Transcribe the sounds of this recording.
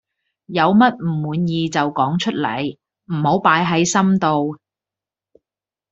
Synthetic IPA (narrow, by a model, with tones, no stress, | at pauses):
jɐ˨˧wmɐ˥t̚m̩˨˩muː˨˧njiː˨˧t͡sɐ˨wkɔː˨˥ŋt͡ʃʰɵ˥t̚lɐ̰˨˩j | m̩˨˩ho˨˥wpaː˨˥jɦɐ˨˥jsɐ˥mt̪o˨w